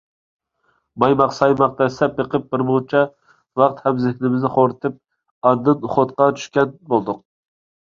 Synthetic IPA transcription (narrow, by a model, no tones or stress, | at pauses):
bɑjmɑqsɑjmɑq̚t̪ɛsɛpːeqʰɨp̚bɪɾmot͡ʃʰɛ | vɑqt̪hæmzɪhnɪmɪznɪχoɾt̪ʰɪp̚ | ɑd̪ːɨnχot̪qɑt͡ʃ̪ʰy̥ʃkʲɛnbolˠd̪ʊq̚